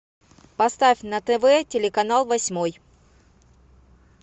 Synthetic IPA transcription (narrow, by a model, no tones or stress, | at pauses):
pɐst̪afʲnət̪ɛvɛtʲɪlʲɪkɐnalˠvɐsʲmoj